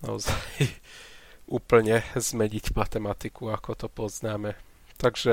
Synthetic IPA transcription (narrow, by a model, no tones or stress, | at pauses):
na̰ɔzaj | ʔuːpl̩ɲɛzmɛɲicmat̪ɛmat̪ikuakɔt̪ɔpɔznaːmɛ | t̪aɡʒ̥ɛ